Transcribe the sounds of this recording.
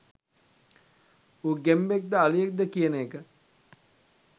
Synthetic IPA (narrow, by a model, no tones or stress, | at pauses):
uːɡembek̚d̪əalijek̚d̪əkijənəekə